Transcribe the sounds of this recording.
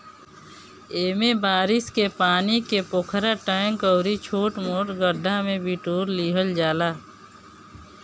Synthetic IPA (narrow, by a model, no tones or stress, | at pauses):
eːmebaːɾɪskepaːnikepoːkʰɾaʈaŋkəːɾit͡ʃʰoːʈmoːʈɡəɖʱːamẽbiʈuːɾliːɦəld͡ʒaːlaː